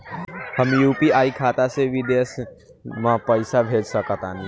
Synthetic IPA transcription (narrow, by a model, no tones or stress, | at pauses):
həmjuːpiaːikʰaːt̪asebʱid̪eːs | mãpəɪsabʱeːd͡ʒsəkət̪aːnĩ